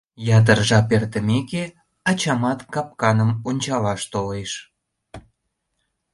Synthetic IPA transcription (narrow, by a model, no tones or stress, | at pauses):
jɑt̪̬ərʒɑpert̪əmeke | ɑt͡ɕɑmɑt̪kɑp̚kɑnəmonʲt͡ɕɑlɑʃt̪oleʃ